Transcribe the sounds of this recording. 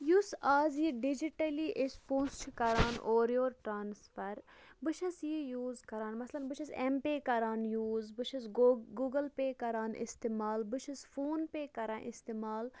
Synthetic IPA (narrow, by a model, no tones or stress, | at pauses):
jusaːzjiɖid͡ʒiʈɐliʔespõːst͡ʃʰkɐɾaːnʔoːɾjoːɾʈɾaːnsfɐɾ | bɨʃʰɐsjijuːzkɐɾaːnmɐslɐnbɨʃʰɐsempeːkɐɾaːnjuːzbɨʃʰɐsɡuːɡɐlpeːkɐɾaːnʔɪ̰st̪eːmaːlbɨʃʰɐsfoːnpeːkɐɾã̰ːnʔɪ̰st̪eːmaːl